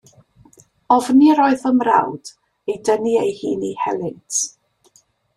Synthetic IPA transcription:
ɔvniɾɔːɨðəmra̰wd̥ | ejdəniejhiːnihɛlˠɪt

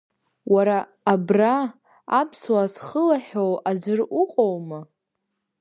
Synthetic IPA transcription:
waɾaː | braː | pʰswasχəlaħowad͡zɨrʊqʼowma

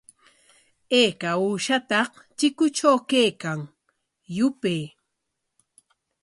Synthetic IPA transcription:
eːkauːʃat̪ɑh | t͡ʃɪkʊt͡ʃawkejkaŋ | jʊpej

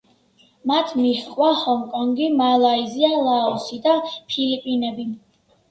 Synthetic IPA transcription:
mat̪ʰmiχqʼwahɔŋkʼɔŋɡimalˠaizialaɔsid̪apʰilipʼinɛbi

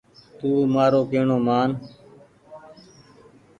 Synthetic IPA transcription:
t̪uːmaːɾoːkeːɳoːmaːn

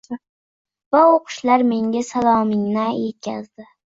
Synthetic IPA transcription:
vaoqʰʊ̥ʃlaɾme̞ŋɡʲasalˠɒmɪŋnajet̪̚kʲa̰zd̪ɪ

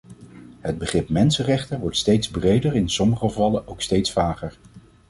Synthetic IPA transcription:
ɦəd̚bəχrɪpmɛnsənrɛχtənʋɔɹtstejtzbrejdərɪnsɔməχəvɑləʔowkstejtsfaːχəɹ

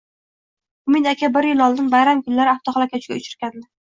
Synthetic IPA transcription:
ʊmɪd̪akʲabɪɾjɪlɒlˠd̪ɪnbajɾamkʰʊnlaɾɪaft̪ʰɒχɒlˠakʲʰat͡ʃʰɪɡʲa̰ʊt͡ʃʰɪɾkʲand̪ɪ

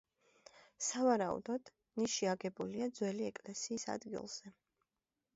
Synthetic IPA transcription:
savaɾaṵd̪ɔd̪̥ | niʃiaɡɛbuliad̪zwɛliɛkʼlɛsiːsa̰d̪ɡḭlˠz̥ɛ

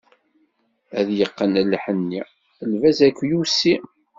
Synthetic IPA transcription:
æðjəqːənəlħənːi | əlvæzækʷːjusi

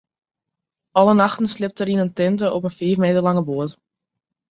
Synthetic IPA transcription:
ɑlənɑxtən̩slɪp̚təɾinəntɪntəʔɔpənfiːfmeːtərlɑŋəbuət

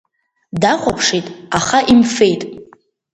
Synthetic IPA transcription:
daχʷapʰʂijtʼaχaʔimfe̞jtʼ

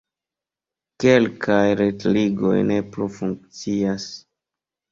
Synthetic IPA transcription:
ke̞lkʰajɾetliɡo̞̰jne̞plufuŋk̚t͡sias

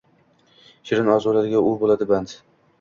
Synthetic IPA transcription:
ʃɪɾɪnɒzolad̪ɪɡʲaʊbolˠad̪ɪband̪

